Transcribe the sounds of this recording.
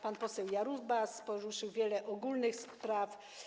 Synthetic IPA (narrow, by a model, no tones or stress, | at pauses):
panpɔsɛwjaɾuzbaspɔɾuʂɘwvʲjɛlɛʔɔɡulnɘxspɾaf